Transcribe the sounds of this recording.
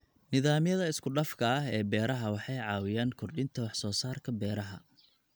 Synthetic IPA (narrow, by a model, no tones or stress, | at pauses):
nɪðaːmjɐðɐɪskʰʊɖɐfkʰɐɐɦɛːbɛːɾɐɦɐwɑħɑjʕɑːwɪjaːnkʰʊrɖɪnt̪ʰɐwɑħsɔːsaːrkʰɐbɛːɾɐɦɐ̰